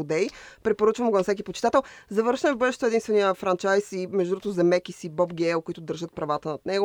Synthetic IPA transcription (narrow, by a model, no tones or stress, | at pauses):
ʊd̪ɛjpɾɛpoɾət͡ʃvɐmɡonsɛk̬ʲipot͡ʃɪ̥t̪at̪ɛlˠzɐvɤɾʃnɛmɛvbɤd̪ɛʃt̪oɛd̪inst̪vɛnijəfɾant͡ʃajsimɛʒd̪od̪ɾuozɛmɛkisibɔbɡɛlˠkoit̪ʊd̪əɾʒət̪̚pɾɐvat̪ənɐt̪nɛɡo